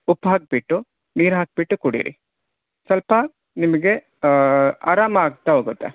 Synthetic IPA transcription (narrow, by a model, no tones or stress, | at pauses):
upɦaːk̚biʈːu | niːɾɦaːk̚biʈːukuɽḭːɾḭ | sɐlpɐ | nimɐɡe̞ | a̰ːɾaːmɐaːɡ̚t̪ːaɦoːɡut̪ːe